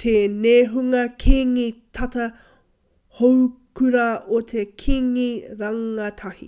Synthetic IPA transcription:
t̪ʰeneɦuŋɐkʰiŋitʰɐtɐ | howkʰʉɾɐot̪ʰekʰiŋiɾɐŋɐtʰɐhḭ

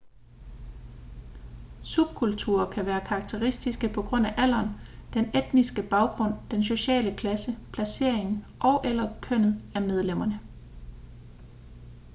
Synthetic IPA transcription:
sub̥̚kʰult͡sʰuɐkʰæʋæːɐkʰɑ̈ɡ̥̚t͡sʰe̝ʁisd̥isɡ̥əpʰɒ̽ɡ̥ʁɔ̽n̰æʔæl̰ɐnd̥ened̥nisɡ̥əb̥ɑ̈ʊɡ̥ʁɔ̽n̰d̥enso̝ɕɛ̰ːləkʰlæsəpʰlæse̝ɐ̰e̝ŋn̩ | ʔɒ̽ʊʔelɐkʰøn̰ð̩ˠæmeð̞ˠlem̰ɐnə

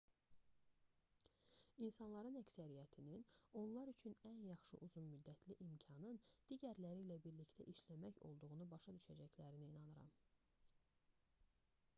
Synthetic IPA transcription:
insɑnlˠɑɾɯnæcsæɾijæt̪ʰinino̞nlˠɑɾyt͡ʃʰynænjɑχʃɯ̰ʔuzunmyd̪ːæt̪ʰliʔimcʰɑnɯnd̪̥iɟæɾlæɾilæbiɾliçt̪ʰæʔiʃlæmæço̞̰lˠd̪uɣunubɑʃɑd̪yʃæd͡ʒæçlæɾiniːnɑnɯɾɑ̰m

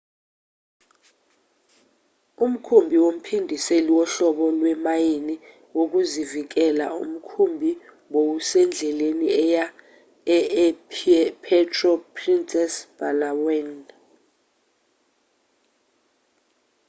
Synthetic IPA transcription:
um̩kʰumbʱiwom̩pʰindʱiseliwɔɬɔɓɔlwɛmajini | wok̬uzivik̬ɛla̰ṵm̩kʰumbʱi | wowusɛnd͡ɮʱɛleniɛja | ɛ | pʰɛtʰʼrɔpʰrinsʼɛsb̥alawɛn

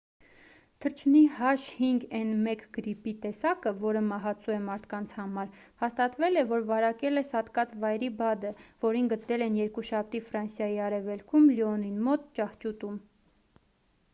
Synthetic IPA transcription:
t̪ʰəɾt͡ʃʰnihɑʃhiŋɡɛnmɛkɡ̥əɾipit̪ɛsɑkəvɔɾəmɑɦɑt͡sʰuɛmɑɾt̪ʰkɑnt͡sʰhɑmɑɾ | hɑst̪ɑt̪vɛlɛvɔɾvɑɾɑkɛlɛsɑt̪kɑt͡svɑjɾibɑd̪əvɔɾinɡət̪nɛlɛnjɛɾkuʃɑp̚ʰt̪ifɾɑnsjɑjiɑɾɛvɛlkʰumliɔninmɔt̪t͡ʃɑht͡ʃut̪um

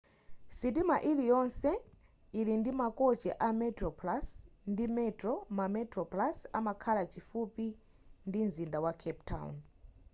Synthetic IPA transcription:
sit̬imaʔilijɔnsɛ | ilindimakɔt͡ʃɛʔamɛtɾɔplasndimɛtɾɔmamɛtɾɔplasamakʰalat͡ʃʰifupi | ndinzindawakʰɛptʰa̰wṵn

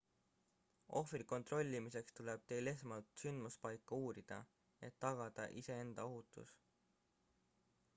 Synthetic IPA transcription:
ʔo̞friko̞nt̪ro̞lʲːimise̞kst̪uleb̥̚t̪e̞jle̞smɑlt̪synd̪̥muspɑjkːˑɑuːɾid̪̥ɑ̰ | e̞t̪ːɑɡ̥ɑd̪̥ɑ̰ʔise̞e̞nd̪̥ɑo̞ɦut̪ːˑṵs

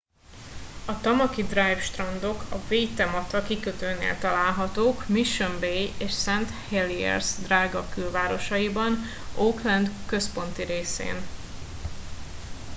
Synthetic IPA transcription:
ɒt̪ɒmɒkid̪rajfʃt̪rɒnd̪o̞kʰɒveːjt̪ɛmɒt̪ɒkikøt̪øːnḛːlt̪ɒlaːlɦɒt̪oːkmiʃømbejeːʃsɛnt̪heliɛ̰rzd̪raːɡɒkylvaːɾo̞ʃɒjibɒn | oːklɛnd̪kø̞spo̞nt̪iɾeːsḛːn

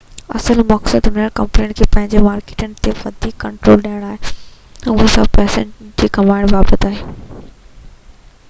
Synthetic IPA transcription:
ɐ̰səlmɐksəd̪mɪnəɽkɐ̃mpleːnkʰeːpɐ̃ɦɪ̃ɲd͡ʑemaːɾkeːʈənɪ̆t̪eʋɐd̪ʱiːkːɐ̃ɳʈɾoːlɗaːɪɽ̃aːɦe | ʊɦə̃sɐ̰bpɛːsə̃nʈd͡ʑiːkɐmaːɪɽ̃ʋaːbət̪aːɦeː

